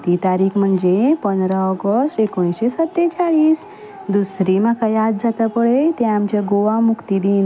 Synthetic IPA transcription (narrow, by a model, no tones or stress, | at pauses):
t̪it̪aɾiːkʰm̤əɳd͡zepənd̪ɾaɔɡəsʈekoɽ̃ĩsɕesət̪ːet͡saɭiːs | d̪usɾimakajad̪̚d͡zat̪əpəɭet̪ẽamt͡ɕaɡoʋamukt̪id̪iːn